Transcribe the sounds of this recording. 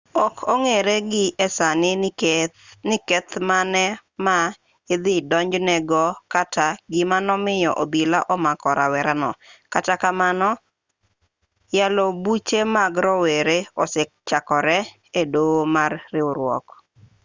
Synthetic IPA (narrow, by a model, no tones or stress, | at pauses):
ɔkʰoŋeɾeɡɪɛsanɪ | nɪkɛt̪manɛma | ɪd̪ɪdɔɲd͡ʒnɛɡɔkataɡɪmanɔmɪjɔ̰ʔobilaʔɔmakɔɾa̰wɛɾanɔ̰katakamanɔ | jalɔbut͡ʃemaɡɾɔweɾeɔsɪkt͡ʃakɔɾɛ | edomarːɪwɾwɔ̰k